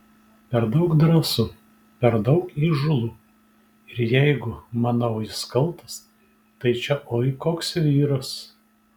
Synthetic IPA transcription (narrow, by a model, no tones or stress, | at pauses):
pʲɛɾd̪ɐʊkd̪ɾɑsu | pʲɛɾd̪ɐʊkiːʒʊlˠuː | ɪɾjɛɪɡʊmɐnɐʊɪskɐlˠt̪ɐs | t̪ɐɪt͡ʃʲɛʔoːɪkoːksʋʲiːɾɐs